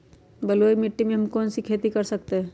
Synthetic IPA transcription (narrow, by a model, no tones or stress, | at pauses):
bɐloimɪʈːimẽɦɐmkɔːnsikʰeːt̪ikɐɾsəkt̪eɦɛ̃